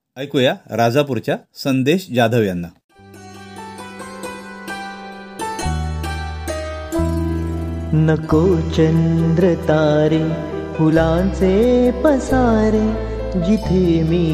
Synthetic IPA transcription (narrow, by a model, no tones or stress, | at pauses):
əjkujaɾad͡zapuɾt͡ɕjasənd̪eɕd͡ʑad̪ʱəʋjanːa | nəkoːt͡ɕənd̪ɾət̪aːɾe | pʰulãt͡sepəsaɾe | ɡit̪ʰemiː